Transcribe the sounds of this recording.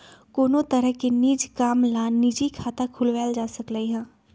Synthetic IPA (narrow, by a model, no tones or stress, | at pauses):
koːnõt̪əɾəɦkiniːd͡ʒkaːmlaːniːd͡ʒikʰaːt̪akʰʊlʋɛːld͡ʒaːsəkləiɦɛ̃ː